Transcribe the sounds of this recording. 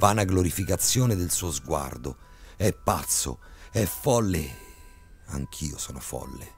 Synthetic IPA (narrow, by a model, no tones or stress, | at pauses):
vaːnaɡloɾifikat̪sːjoːnɪd̪elsuːozɡwa̰rd̪o | ɛpːa̰t̪sːo̰ɛfɔlːɪ | a̰ŋk̟ʰiːosɔːnʊfɔ̰lːḛ